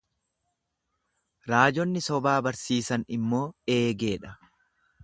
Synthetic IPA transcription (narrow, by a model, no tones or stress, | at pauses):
ɾaːd͡ʒɔnːɪsɔbaːbɐɾsiːsɐnɪmːo̞ːeːɡe̞ːᶑɐ